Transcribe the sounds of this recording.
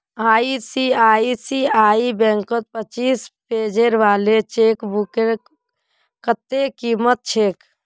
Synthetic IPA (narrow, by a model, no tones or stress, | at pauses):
aːisiaːisiaːibɛ̃ŋkət̪̚pət͡ʃiːspeːd͡ʒeɾʋaːlet͡ʃeːkbukeɾ | kət̪ːekiːmət̪̚t͡ʃʰeːk